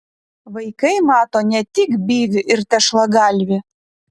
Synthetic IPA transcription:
ʋɐɪkɐɪmɑːt̪oːnʲɛt̪ʲɪkbʲiːʋʲɪʔɪɾt̪ʲɛʃlˠɐɡɑlʲʋʲɪ

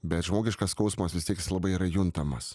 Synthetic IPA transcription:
bʲɛt̪ʒmoːɡʲɪʃkɐskɐʊsmɐsʋʲɪst̪ʲiɛkɪslˠɐbɐɪiːɾɐjʊnt̪ɐmɐs

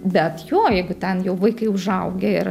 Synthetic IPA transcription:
bʲɛt̪joːjɛɪɡʊt̪ʲɛnjɛʊʋɐɪkɐɪʊʒɐʊɡʲeɪɾ

